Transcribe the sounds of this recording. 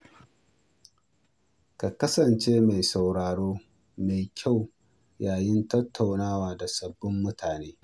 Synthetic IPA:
ka˨kɐ˦sɐ˨nt͡ʃeː˦ma˨jsa˨wɽaː˨ɽoː˦ | ma˨jkʲʰa˦˨w | jaː˨jɪ˦ntɐ˦tʰːa˨wnaː˦waː˨da˨sɐ˨bːʊ˦mːʊ˦tʰaː˨neː˦

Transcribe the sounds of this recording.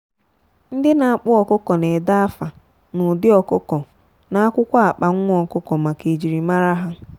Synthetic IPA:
n̩˦dɪ˦na˨a˦˨k͡pʊ˦ɔ˨kʊ˦kɔ˨ne˨da˦a˦fa˨ | nʊ˨dɪ˦ɔ˨kʊ˦kɔ˨ | na˦kʷʊ˦kʷa˦a˨k͡pa˨ŋ̩ʷ˦ɔ˨kʊ˦kɔ˨ma˨ke˨d͡ʒi˨ɾi˨ma˦ɾa˦ɦa˦

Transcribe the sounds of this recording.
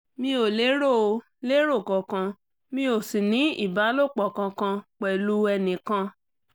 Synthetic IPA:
mĩ˧o˨le˨˦ɾo˦˨o˧ | le˦ɾo˦˨kɔ̃˨kã˧ | mĩ˧˦o˨si˨nĩ˨˦ḭ˦˨ba˨˦lo˦˨k͡pɔ˨kã˧kã˧k͡pɛ˨lu˨˦ɛ˧nĩ˨kã˧

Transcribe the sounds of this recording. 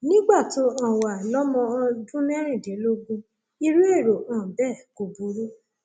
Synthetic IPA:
nĩ˦ɡ͡ba˦˨to˨˦ã˨wa˨lɔ˦mɔ̃˧ɔ˧dũ˦nɛ̃˦ɾ̃ĩ˦˨de˨˦lo˦ɡũ˦ | i˧ɾu˦e˦˨ɾo˨ã˨bɛ˦˨ko˨bu˨˦ɾu˦

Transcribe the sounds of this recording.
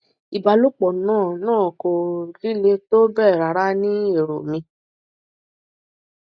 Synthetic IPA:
i˨ba˨lu˦k͡pɔ˨nãː˦˨nãː˦˨ko˨ɾi˨˦le˧to˦bɛ˦˨ɾa˨ɾa˦nĩ˦e˦˨ɾo̰˨mĩ˧

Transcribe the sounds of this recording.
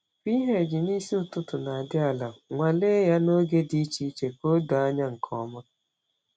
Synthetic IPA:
pi˦ɦe˨d͡ʒɪ˨ni˦si˦ʊ˨tʊ˦tʊ˨na˨a˨dɪ˦a˨la˨ŋʷa˨le˦ja˦no˦ɡe˦di˦t͡ʃi˦t͡ʃe˨ko˦do˨a˦ɲa˦ŋ̩˨kʰɔ˦ma˦

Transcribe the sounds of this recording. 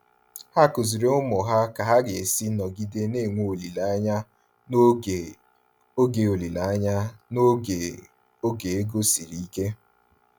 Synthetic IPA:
ha˦kʊ˨zi˨ɾe˦ʊ˦mʊ˨ɦa˦ka˨ɦa˦ɡe˨e˨si˦nɔ˨ɡi˦de˦ne˦˨ŋʷo˦o˨li˨la˨˦ɲa˦˨ | o˦ɡe˨o˨li˨la˨˦ɲa˦no˦e˨ | o˦ɡe˨e˦ɡo˦si˨ɾi˨i˦ke˦

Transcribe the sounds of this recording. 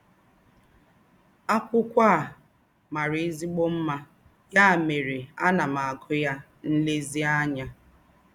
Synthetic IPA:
a˦kʷʊ˦kʷa˦˨ | ma˨ɾi˨˦i˦zi˦ɡ͡bo˦m̩˦ma˦ | ja˦a˨me˨ɾe˨a˦na˨ma˨a˨ɡʊ˦ja˦ | n̩˦le˦zi˦a˦ɲa˦

